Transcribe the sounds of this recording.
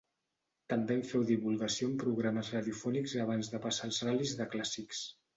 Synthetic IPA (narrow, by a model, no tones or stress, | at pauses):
t̪əmbeɱfɛwðiβulˠɣəsioəmpɾuɣ̞ɾaməzraðiufɔnikzəβ̞anzðəpəsalˠzralizðəklasiks